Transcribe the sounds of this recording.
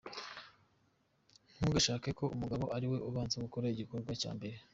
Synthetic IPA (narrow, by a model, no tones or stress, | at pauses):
n̥huːŋɡaʃaːkeko̞ʔumuɡaβoʔaɾiwe̞ʔuβaːnzuɡukoɾaiɟikoɾɡwaca̰ːmbe̞ɾe̞